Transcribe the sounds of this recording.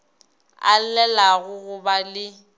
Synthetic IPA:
a̰llɛlaɣʊɣʊbalɪ

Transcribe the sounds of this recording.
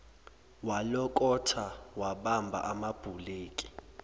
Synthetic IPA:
walɔkʼɔtʰawaɓambʱa̰ʔamab̥ʱuleːkʼi̥

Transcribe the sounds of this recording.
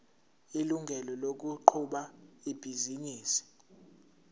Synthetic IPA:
iluŋɡʱɛlɔlok̬uǃʰuɓaib̥ʱiziniːsi̥

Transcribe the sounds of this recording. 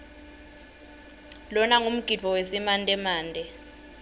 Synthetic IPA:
lɔnaŋum̩ɡ̥ʱid͡v̥ʱɔwesimantʼɛmaːndʱɛ

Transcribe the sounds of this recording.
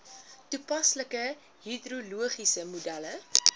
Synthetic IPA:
tupɐsləkə | ɦidruluəχisəmudælə

